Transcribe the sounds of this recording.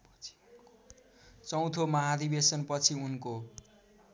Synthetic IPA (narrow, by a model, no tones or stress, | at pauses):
t͡sʌ̃w̃t̪ʰomʌɦad̪ibesʌnpʌt͡sʰiunko